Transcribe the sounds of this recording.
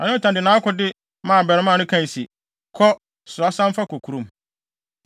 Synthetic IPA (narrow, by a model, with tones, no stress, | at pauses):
ã˨nɪ̃˦ɔ˦˨tʰã˨dɪ˨nãː˨˦kɔ˦dɪ˦ | mã˨bɛ˨ɾɪ˦mã˦˨nʊ̃˦kʰã˦n˨si˨ | kʰɔ˦ | sʊ˨ɾa˨˦sã˦m˦fa˦kʰo˨kʰu˨ɾũ˨m